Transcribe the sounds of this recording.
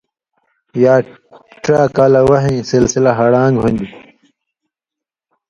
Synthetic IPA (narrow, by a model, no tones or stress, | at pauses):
jaː | ʈɾaːkaːlɐwɐɦẽːsilsilɐɦɐɽãːŋɡɦunʲd̪i